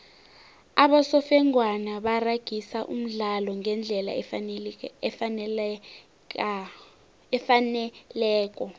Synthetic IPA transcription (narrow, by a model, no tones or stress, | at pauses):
aɓasɔfɛŋwanaɓaraɡ̥ʱisaʔṵm̩ɮalɔŋɛnd͡ɮʱɛla̰ | ɛfanɛlɛːk̬ʼɔ